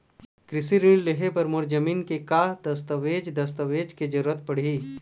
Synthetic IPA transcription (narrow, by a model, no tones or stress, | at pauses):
kɾɪsiɾɪ̃ɳɖleɦepɐɾmʊɾd͡ʒəmiːnkekaːd̪ɐst̪əʋeːd͡ʒd̪ɐst̪əʋeːd͡ʒked͡ʒɐɾuːɾət̪pɐɽ̤iː